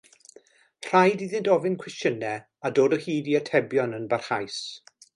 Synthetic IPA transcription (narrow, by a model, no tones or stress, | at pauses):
r̥ajdiðɪntɔvɪnkʰwɛstənɛ | adoːdəhiːdiətʰɛbjɔnənbarhajs